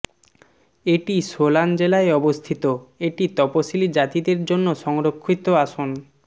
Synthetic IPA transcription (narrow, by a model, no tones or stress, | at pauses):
eʈisoland͡ʑelaeɔbost̪ʰit̪oeʈit̪ɔpoʃilid͡ʑat̪id̪eɾd͡ʑonːoʃɔŋɾokʰːit̪oaʃon